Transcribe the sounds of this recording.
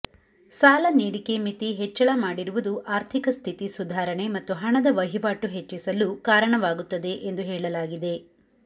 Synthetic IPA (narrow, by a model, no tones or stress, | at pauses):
saːlɐniːɽikemit̪iɦet͡ʃːɐɭɐmaːɽiɾuʋud̪uʔaːɾt̪ʰikɐst̪ʰit̪isud̪ʱaːɾɐɳe̞mɐt̪ːuɦɐɳɐd̪ɐʋɐɦiʋaːʈuɦet͡ʃːisɐlukaːɾɐɳɐʋaːɡut̪ːɐd̪e̞ʔend̪uɦɛːɭɐlaːɡid̪e̞